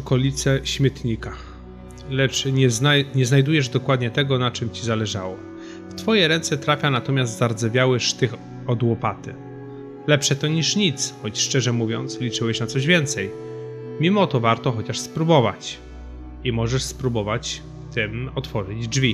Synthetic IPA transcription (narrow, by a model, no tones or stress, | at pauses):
ɔkɔlʲit̪sɛɕmʲjɛt̪ɲika | lɛt͡ʂɲɛznaɲɛznajd̪ujɛʐd̪ɔkwad̪ɲɛt̪ɛɡɔnat͡ʂɘmt͡ɕizalɛʐawɔ | ft̪fɔjɛɾɛnt̪sɛt̪ɾafʲjanat̪ɔmʲjast̪zaɾd̪zɛvʲjawɛʂt̪ɘx | ɔd̪wɔpat̪ɘ | lɛpʂɛt̪ɔɲiʂɲit̪sxɔt͡ɕʂt͡ʂɛʐɛmuvʲjɔnt̪slʲit͡ʂɘwɛɕnat̪sɔʑvʲjɛnt̪sɛj | mʲimɔt̪ɔvaɾt̪ɔxɔt͡ɕaʂspɾubɔva̰t͡ɕ | imɔʐɛʂspɾubɔvat͡ɕ | t̪ɘmɔt̪fɔʐɘd͡ʑd͡ʐvʲi